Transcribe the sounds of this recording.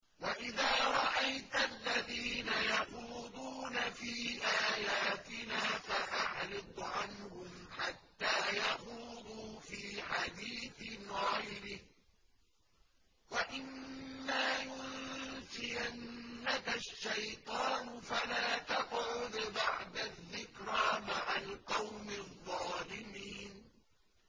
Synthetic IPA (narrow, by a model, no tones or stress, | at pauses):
waʔɪðaːɾˤɑʔajt̪alːaðiːnajɑquːd̪uːnafiːʔaːjaːt̪ɪnaːfaʔaʕɾɨd̪ˤʕanhʊmħat̪ːaːjɑquːd̪uːfiːħad̪iːθɪɣajɾɪh | waʔɪnːaːjʊsɪjanːakaʃːajt̪ˤɑːnfalaːt̪ɑqʕʊd̪baʕd̪aðːɪkɾaːmaʕalqɑwmɪðˤːɑːlɪmiːn